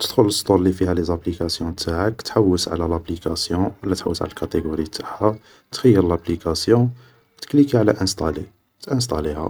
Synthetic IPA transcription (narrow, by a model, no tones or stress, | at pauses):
t̪əd̪xʊləst̪ˤullifihælezæplikæsjɔ̃t̪ʰaʕəkt̪ħawːəsʕa̰lælæplikæsjɔ̃wəlːæt̪ħa̰wːəsʕa̰lælkæt̪eɡoɾit̪ḁħæ | t̪xəjːəɾəlæplikæsjɔ̃ | t̪ə̥klikiʕlæʔənst̪ˤɑli | t̪ʔəns̬t̪ˤɑlihæ̰